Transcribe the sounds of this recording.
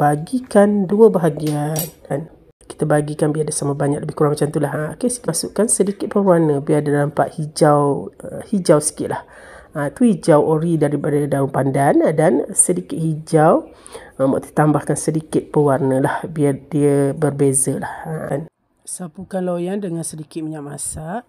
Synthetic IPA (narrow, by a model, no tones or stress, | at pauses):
baɡikanduəbaɦaɡianan | ki̥t̪əbaɡikanbiadəsaməbaɲak̚ləbɪhkuɾaŋmat͡ʃamt̪ulaɦkəsi̥kisʊʔkansədikɪt̪̚pəwarnə̃biardalampa̰ʔ̪hid͡ʒawhid͡ʒawsə̥kɪt̪lah | at̪uhid͡ʒawʔoɾidaɾipadədauŋpandandansədikɪt̪̚hid͡ʒaw | mə̰ʔt̪i̥t̪ambahkansədikɪt̪̚pəwarnə̃lahbiardiəbərbezəlaha̰n | sapukanlojandəŋansədikɪt̪̚məɲaʔ̚masa